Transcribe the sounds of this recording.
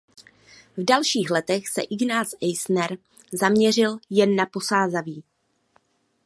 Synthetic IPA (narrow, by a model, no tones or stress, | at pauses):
vdalʃiːxlɛt̪ɛxsɛ̰ʔɪɡnaːsʔɛjsnɛɾ | zamɲɛr̝ɪljɛnːapo̞saːzaviː